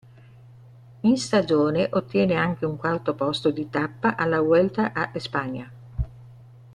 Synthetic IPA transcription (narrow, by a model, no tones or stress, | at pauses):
inst̪ad͡ʒoːneʔot̪ːjɛːneaŋk̟euŋkwalt̪opɔst̪od̪it̪apːaʔalːawɛlt̪aʔaʔespaɲːa